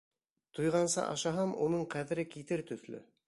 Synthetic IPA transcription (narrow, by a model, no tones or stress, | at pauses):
t̪ujʁɑnsɑ̰ʔɑ̰ʃɑɦɑmunɤɴqæðɘ̆ɾɘkit̪ɘɾt̪ɵ̆ðlɵ̰